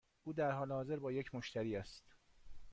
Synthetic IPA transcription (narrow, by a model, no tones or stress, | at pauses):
ʔuːd̪æɾhɒːlehɒːze̞ɾbɒːje̞cʰmoʃt̪æɾiːæst̪